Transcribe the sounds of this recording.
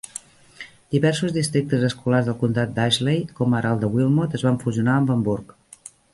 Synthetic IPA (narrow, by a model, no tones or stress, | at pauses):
d̪̥iβɛrsuzðist̪ɾik̚t̪əzəskularzðəlˠkunt̪at̪̚d̪aʒlejkɔmaɾʔalˠd̪əwilˠmot̪əzβaɱfuziunaəmbəmbuɾk